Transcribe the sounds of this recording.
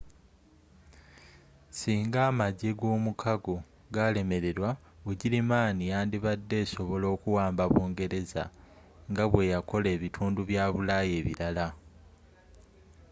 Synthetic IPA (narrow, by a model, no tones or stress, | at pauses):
siːŋɡaːmaɟeɡo̞ːmukʰaɡo | ɡale̞me̞ɾe̞ɾwa | uɟilimaːnijaːndiβadːe̞ːso̞βo̞lo̞ːkuwaːmbaβoːŋɡe̞ɾe̞za̰ | ŋɡaβwe̞jako̞le̞ːβitʰuːnduβjaːβulaje̞ːβḭɾala